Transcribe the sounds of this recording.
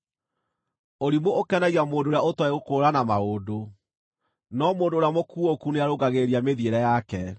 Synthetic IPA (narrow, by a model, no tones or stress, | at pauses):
oɾimwoʔokɛnaɣiamoːndoɾeaotweɣokoːɾanamaoːdo | nɔmoːndoːɾjamokuokuneaɾoɡaɣeɾiameðieɾɛjakɛ